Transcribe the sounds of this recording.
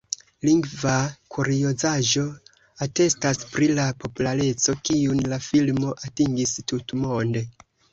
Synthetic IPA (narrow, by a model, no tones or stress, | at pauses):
liŋɡvakʰuɾio̞zaʒo̞ | ate̞staspɾilapo̞pulaɾe̞t͡so̞kiunlafilmo̞ʔatiŋɡistutmo̞nde̞